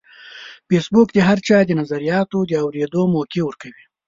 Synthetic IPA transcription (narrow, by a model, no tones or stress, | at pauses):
fesbukd̪əɦaɾt͡ʃɑd̪ənazaɾijɑt̪od̪əawɾed̪omokewəɾkawi